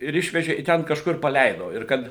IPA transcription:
ɪr ˈɪʃʲʋʲɛʒʲɛ ɪ ˈtʲɛn kɐʃkʊr pɐˈlʲɛɪdoː ɪr ˈkɐt

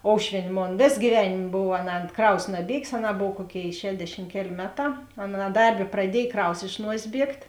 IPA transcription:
ˈoːʊʃʲʋʲiɛnʲ ˈmoːn ˈʋʲeːs ɡʲiːˈʋʲæːnʲeːm ˈboːw ɐnˈɑː ˈkrɐʊs nɐˈbʲiɛɡʲeːs ɐnˈɑː ˈboːw ˈkuɔˌkʲeːɪ ˈʃʲæːdʲɛʃʲɪm ˈkʲæːˌlʲeː ˈmʲæːˌtɑː ɐnˈɑː ˈdɐrʲˌbʲeː prɐˈdʲiɛj ˈkrɐʊs ɪʃ ˈnuɔsʲeːs ˈbʲiɛktʲ

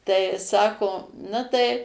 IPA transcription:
tɐɪ ˈsɑːkoː ˈnɐ tɐɪ

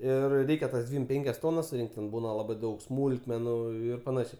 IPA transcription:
ɪr ˈrʲɛɪkʲɛ tɐs ˈdʲʋʲiːm ˈpʲɛŋʲkʲɛs ˈtoːnɐs sʊˈrʲɪŋkt tʲɛn ˈbuːnɐ ˈlˠɑːbɐɪ ˈdɐʊk ˈsmuːlˠkmʲɛnʊ ˈɪr pɐˈnɑːʃʲɛɪ

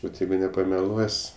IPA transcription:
ˈʋɐt ˈjɛɪɡʊ nʲɛpɐmʲɛˈlˠuɔsʲ

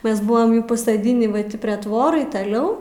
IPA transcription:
ˈmʲɛs ˈbʊʋɐm pɐsɐˈdʲɪnʲiː ʋɐ ˈtʲiː pʲrʲiɛ ˈtʋoːrɐɪ tɐˈlʲɛʊ

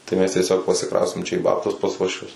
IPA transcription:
tɐɪ ˈmʲɛs tʲiɛˈsʲoːk pɐrʲsʲɪˈkrɐʊsʲtʲeːm t͡ʃʲɛ iː ˈbɑːptʊs pɐs uɔʃʲˈʋʲʊs

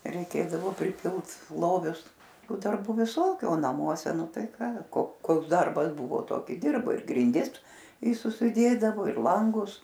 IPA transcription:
rʲɛɪˈkʲeːdɐʋoː pʲrʲɪˈpʲɪlˠt ˈlˠoːʋʲʊs ˈtuː dɐrˈbuː ʋʲɪˈsoːkʲʊ oː nɐˈmuɔsʲɛ ˈnʊ ˈtɐɪ ˈkɑː koː ˈkoːks ˈdɐrbɐs ˈbʊʋoː ˈtoːkʲɪ ˈdʲɪrbɐɪ ɪr ɡrʲɪnʲˈdʲɪs ɪ sʊsʲɪˈdʲeːdɐʋoː ɪr ˈlˠɐŋɡʊs

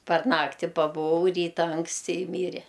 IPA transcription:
pɐr ˈnɑːktʲɪ pɐbʊˈʋɐʊ ˈrʲiːtɐ ɐŋksʲˈtʲɪ ɪ ˈmʲiːrʲɛ

